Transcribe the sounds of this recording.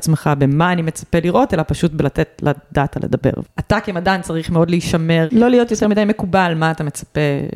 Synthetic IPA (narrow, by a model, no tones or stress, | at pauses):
t͡smeχabemaːnimet͡sḁpeliʁʔo̞telapaʃutbelatetladatalḛd̪abe̞̰ʁatakemadant͡saʁiχmeo̞dliːʃame̞ʁlo̞lijo̞t̪jotemidajme̞kubalmaːt̪amet͡sḁpe